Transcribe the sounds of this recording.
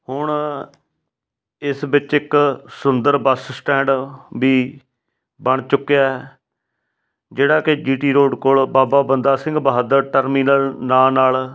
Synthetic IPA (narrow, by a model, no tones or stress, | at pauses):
hʊɳ | ɪsbɪt͡ʃɪksʊnd̪əɾbəssʈɛ̃ːɳɖbiː | bəɳ̃t͡ʃʊkːjaːɛː | d͡ʒeːɽaːkɪd͡ʒiːʈiːɾoːɖkʊɭbaːbaːbənd̪aːsɪ̃ŋɡbəɦəd̪əɾʈəɾminəlnaːnaːl